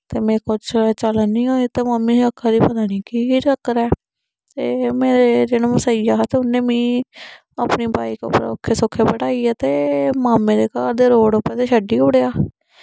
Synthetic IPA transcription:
t̪eːmɛ̃ːkʊd͡ʒt͡ʃəlanĩːɦoːeːt̪eːməmːiːəkʰːaːd̪iːpəd̪aːɽiːkiːɾəkɾɛː | t̪eːmeːɾed͡ʒeːɽ̃õːməsaːɪjaːt̪eːʊnẽːmĩː | aːpniːbaːiːko̰pɾokʰːeːsokʰːeːbəɽaːiːɛːt̪eːmaːmẽːd̪eːkaːɾd̪eːɾoːɽopːɛ̃ːt̪eːʃəɖiːʊɽeːaː

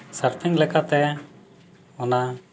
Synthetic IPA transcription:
səɾt̪ʰiŋlɛkat̪ɛ | ɔna

